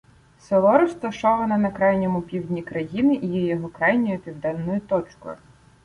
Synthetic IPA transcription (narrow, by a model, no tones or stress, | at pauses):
sɔlˠɔɾɔst̪ɐʃɔʋɐnɐnɐkɾɑjnʲɔmʊpʲiwdʲnʲikɾɐjinɪʔijɛjɔɦɔkɾɑjnʲɔjʊpʲiwd̪ɛnːɔjʊt̪ɔt͡ʃkɔ̰jʊ̰